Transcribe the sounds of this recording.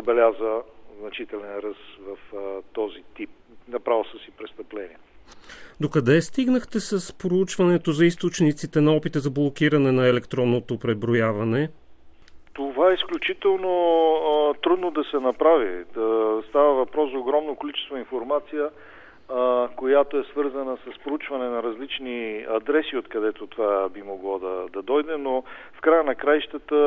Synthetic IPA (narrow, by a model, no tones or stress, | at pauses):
zɐbɛlʲazvəznɐt͡ʃit̪ɛlɛnɾəsvɐft̪ɔzit̪ip̚ | nɐpɾavəsəsipɾɛst̪əplɛniɛ | d̪okɐd̪ɛst̪iɡnəxt̪ɛsɐspɾout͡ʃvɐnɛt̪ozɐist̪ot͡ʃnit̪sit̪ɛnɐɔpit̪əzɐblˠok̟iɾɐnɛnɐɛlɛkt̪ɾɔnːot̪opɾɛbɾojavɐnɛ | t̪ovaɛisklʲut͡ʃit̪ɛlˠno | t̪ɾud̪nod̪ɐsɛnɐpɾavḭ | st̪avəvɐpɾɔszɐoɡɾɔmnokolit͡ʃɛ̥st̪voinfoɾmat̪sijə | kojat̪oɛsvɤɾzɐnəsɐspɾout͡ʃvɐnɛnɐɾɐzlit͡ʃniɐd̪ɾɛsiot̪kɐd̪ɛt̪ot̪ovabimoɡlˠad̪ɐd̪ɐd̪ɔjd̪ɛno | fkɾajənɐkɾajʃt̪ət̪ə